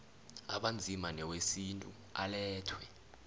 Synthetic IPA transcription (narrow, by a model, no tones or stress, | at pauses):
a̰ɓand͡zʱimanɛwesintʼṵ | alɛːtʰwɛ